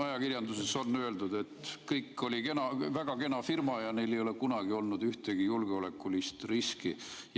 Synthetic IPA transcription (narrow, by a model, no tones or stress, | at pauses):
ɑjɑkirjɑnd̪useso̞nːø̞e̞ld̪ud̪̥e̞t̪kɤjkːˑo̞lʲikenɑvæɡ̥ɑke̞nɑfirmɑjɑne̞jle̞jo̞le̞kunɑɡ̥io̞lnud̪yht̪eɡ̥ijulɡeo̞le̞kːˑulist̪riski | j